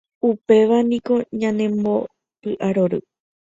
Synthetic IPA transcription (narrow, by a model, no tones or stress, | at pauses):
upe̞ʋanĩko̞ɲãnẽ̞mbo̞ | pɨʔaɾo̞ɾɨ̰